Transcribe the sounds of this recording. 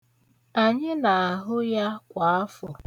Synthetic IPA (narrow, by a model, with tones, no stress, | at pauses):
a˨ɲɪ˦na˨a˨ɦʊ˦ja˦kʷa˨a˦fʊ˨